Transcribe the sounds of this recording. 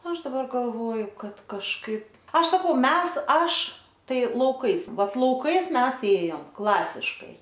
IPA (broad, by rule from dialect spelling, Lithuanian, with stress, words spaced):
ˈɐʃ dɐˈbɐr ɡɐlˠˈʋoːjʊ ˈkɐt kɐʃˈkɐɪp ˈɐʃ sɐˈkɐʊ ˈmʲɛs ˈɐʃ ˈtɐɪ lˠɐʊˈkɐɪs ˈʋɐt lˠɐʊˈkɐɪs ˈmʲɛs ˈeːjoːm ˈklˠɑːsʲɪʃkɐɪ